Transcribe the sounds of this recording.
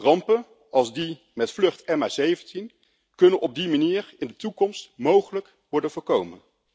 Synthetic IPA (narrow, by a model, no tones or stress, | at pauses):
rɑmpən | ɑlˠzdi | mɛtflɵχtɛmazejvəntin | kɵnənʔɔb̚dimaniːɹɪndətukɔmstmowχələk | ʋɔɹdənvʊːɹkowmən